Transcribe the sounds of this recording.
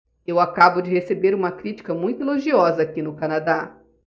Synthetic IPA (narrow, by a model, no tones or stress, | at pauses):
ewakabʊd͡ʒɪhesebeɾũmɐkɾit͡ʃi̥kɐmũj̃t̪ʊeloʒiɔzɐakinʊkɐnad̪a